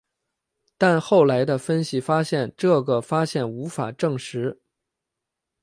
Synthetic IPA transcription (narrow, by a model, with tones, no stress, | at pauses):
t̪a˥˧nxo˥˩ʊla˧˥ɪd̪ə˧fə˥nɕi˨˩fa˥ɕjɛ˥˧nʈ͡ʂɤ˥˩ɡə˩fa˥ɕjɛ˥˩nu˧˥fa̰˨˩ʈ͡ʂɤ˥˩ŋʂɻ̩˧˥